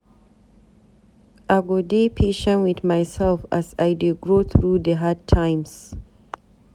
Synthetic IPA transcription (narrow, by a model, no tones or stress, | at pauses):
ʔaɡɔdepʰeʃə̃nwiθmajsɛlfasajdɪɡɹoθɹudəɦad̚tʰãj̃ms